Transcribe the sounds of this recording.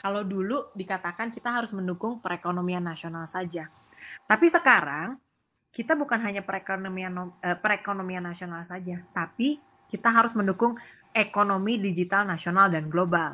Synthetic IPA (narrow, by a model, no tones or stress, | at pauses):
kalawduludikat̪akankit̪aɦaɾʊsməndukʊŋpəɾekonomianːasionalsad͡ʒa | t̪apisəkaɾaŋ | kit̪abukanɦaɲapəɾekonmianoəpəɾekonomianːasionalsad͡ʒat̪api | kit̪aɦaɾʊsməndukʊŋ | ekonomidid͡ʒit̪alnasionaldanɡlobal